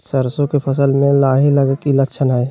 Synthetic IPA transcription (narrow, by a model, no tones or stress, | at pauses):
səɾsõkepʰɐsəlmẽlaːɦiləɡkiləkʃʰənɦɛː